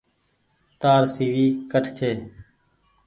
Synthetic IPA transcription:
t̪aːɾsiːʋiːkəʈʰt͡ʃʰeː

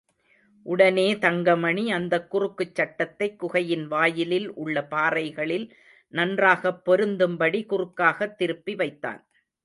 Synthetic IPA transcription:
ʔʊɽɐneːt̪ɐŋɡɐmɐɳiɐnd̪ɐkːʊrɯkːɯt͡ʃːɐʈːɐt̪ːɐɪkːʊɣɐjɪnʋaːjɪlɪlʔʊɭːɐpaːɾɐɪɣɐɭɪl | nɐndraːɣɐpːɔɾɯnd̪ɯmbɐɽikʊrɯkːaːɣɐt̪ːɪɾɯpːiʋɐɪt̪ːa̰ːn

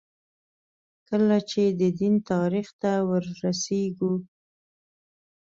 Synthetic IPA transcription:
kəlat͡ʃed̪əd̪int̪ɑɾixt̪awəɾːaseɡu

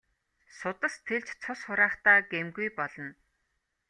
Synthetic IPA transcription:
sʊt̪ə̆st̪ʰeɮt͡ɕt͡sʰʊsχʊɾaːχt̪aːɡemɡujpɔɮɞ̆n

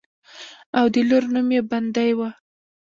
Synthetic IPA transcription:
awd̪əloɾnumjeband̪ajwa

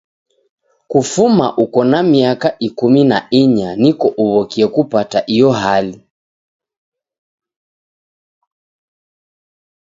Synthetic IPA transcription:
kufuma̰ʔukɔnamiakaʔikuminaiɲanikɔʔuβɔkiɛkupataʔijɔɦali

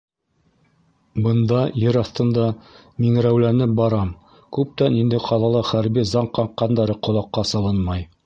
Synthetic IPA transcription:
bɤ̆nd̪ɑjɘɾɑθt̪ɤ̆nd̪ɑ | miŋɾæwlænɘp̚bɑɾɑm | kʉp̚t̪ænind̪ɘqʰɑlˠɑlˠɑχæɾbizɑɴqːɑɴqːɑnd̪ɑɾɤqŏlˠɑqːɑsɑlˠɤnmɑj

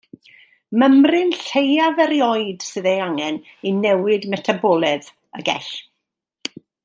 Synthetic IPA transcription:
məmrɨnɬejavɛɾjɔɨd̥sɨðejaŋɛninɛwɪdmɛtʰabɔlˠɛð | ə̰ɡɛ̰ɬ

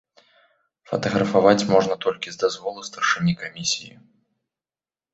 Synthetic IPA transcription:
fɐ̰t̪ɐɣɾɐfavat͡sʲmɔʐnɐt̪ɔlʲkʲizd̪azvɔlˠɨst̪ɐrʂɨnʲikamʲisʲijḭ

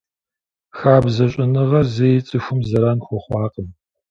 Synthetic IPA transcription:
xaːbzɐɕʼɪnɨʁɐzejɪt͡sʼɨxʷʊmzɐɾɐnxʷɔχʷɑːqʼəm

